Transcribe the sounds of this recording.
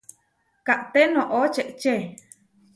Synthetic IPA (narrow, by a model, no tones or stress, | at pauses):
kaʔt̪enõʔot͡ʃeʔt͡ʃe